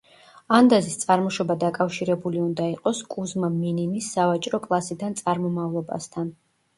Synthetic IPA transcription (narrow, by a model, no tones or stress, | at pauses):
and̪azist̪sʼaɾmɔʃɔbad̪akʼafʃiɾɛbuliund̪aiqʼɔskʼuzmamininisːavat͡ʃʼɾɔkʼlˠasid̪ant̪sʼaɾmɔmavlˠɔba̰st̪ʰan